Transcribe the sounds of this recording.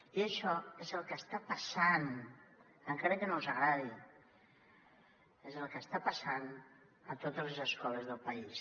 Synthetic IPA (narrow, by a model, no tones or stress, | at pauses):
iəʃɔezəlˠkəst̪apəsan | əŋkaɾəkənozəɣɾaði | ezəlˠkəst̪apəsan | ət̪ot̪əzləzəskɔləzðəlˠpəis